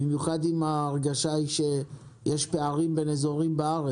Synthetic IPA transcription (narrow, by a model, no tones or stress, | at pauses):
imjuχad̪imaːʁɡaʃaiʃe | jeʃpeaʁimbe̞nezo̞ʁimbaaʁe